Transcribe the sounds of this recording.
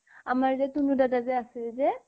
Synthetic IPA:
amaɹzɛtunudatazɛasɪlzɛ

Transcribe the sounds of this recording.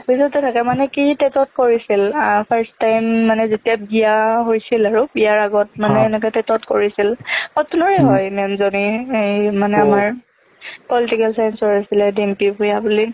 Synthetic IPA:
pisɔtɛtʰakɛmanɛkitɛtɔt̚koɹisilpʰɛɹstajmːanɛzetiabijaɦojsilaɹubijaɹaɡɔt̚manɛːnɛk̬ɛtɛtɔtkoɹisilxɔtunɔɹɛɦɔjmɛmzoniejmanɛamaɹ | pɔlitikɛlsajɛnsɔɹasilɛdempipujabuli

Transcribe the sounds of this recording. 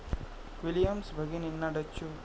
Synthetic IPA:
kwiljɐmsbʱɐɡininːɐɖɐt͡ʃːu

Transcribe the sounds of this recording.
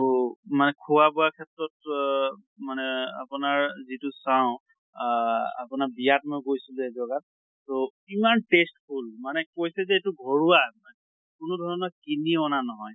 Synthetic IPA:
manɛkʰuwabɔakʰɛtɹɔt̚ | manɛa̰pʊnaɹzitʊsaʊ̃ | a̰pʊnaɹbijatmɔjkojsilɛzɔɡat̚ː | o | imantestholmanɛkojsɛzɛetʊɡʱɔɹuamanɛ | kʊnʊdʱɔɹɔnɔkiniɔnanɔɦɔj

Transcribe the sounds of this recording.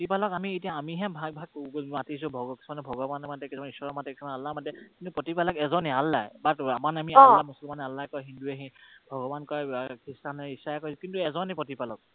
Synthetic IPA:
pɔtipalɔkamietijaːmiɦɛ̃bʱaɡ̚bʱaɡ̚matis̬ʊbʱɔɡɔki̥sɔmanɛbʱɔɡɔbanɛmadɛkisɔmaniswɔɹɔmatɛkʰɔnaalːamadɛkintupɹɔtipalɔkɛzɔnɛalːajbatamanamiamusɔlmanalːajkɔjɦinduɛɦĩbʱɔɡɔbankɔɛkistanɛisajakɔɹisukintuɛzɔnepɹɔtipalɔk̚

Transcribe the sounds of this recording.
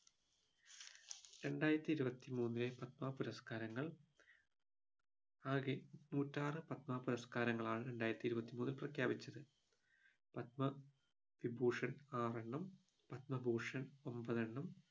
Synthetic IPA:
ɾe̞ɳɖaːjiɾɐt̪ːiɾubɐt̪ːimuːnːilepɐt̪̚maːpuɾɐskaːɾɐŋːɐɭ | aːɣenuːtːaːrɨpɐt̪̚maːpuɾɐskaːɾɐŋːɐɭaːɳɨɾe̞ɳɖaːjɾɐt̪ːiɾubɐt̪ːimuːnːilprɐkʰjaːbit͡ɕːɐðɨ | pɐt̪̚mɐ | ʋibʱuːʂɐnaːreɳːɐm | pɐt̪̚mɐbʱuːʂɐno̞mbɐðeɳːɐm

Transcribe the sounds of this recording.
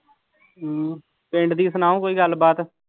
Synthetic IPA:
pẽːɳɖd̪iːsənaːõkoːiːɡəlbaːt̪ː

